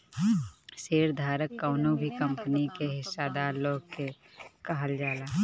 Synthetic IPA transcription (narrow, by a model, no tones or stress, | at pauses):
seːɾd̪ʱaːɾəkːaːʊnõbʱikə̃mpənikeɦɪsːad̪aːɾloːɡ̚ke | kɐɦəld͡ʒaːlaː